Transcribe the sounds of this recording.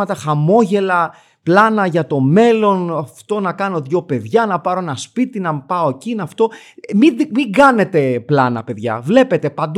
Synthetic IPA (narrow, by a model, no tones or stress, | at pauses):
ɐt̪ɐxɐmo̞ʝe̞lɐ | plɐnɐʝɐt̪o̞me̞lo̞nɐft̪o̞nɐkɐno̞ðʝo̞pe̞ðʝɐnɐpɐɾo̞enɐspit̪inɐmpɐo̞ecinɐft̪o̞ | mimiɡɐne̞t̪e̞plɐnɐ̰pe̞ðʝɐ̰vle̞pe̞t̪e̞pɐnd̪